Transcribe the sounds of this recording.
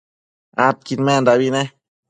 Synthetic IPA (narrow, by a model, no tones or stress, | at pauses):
at̪̚kinmend̪aβine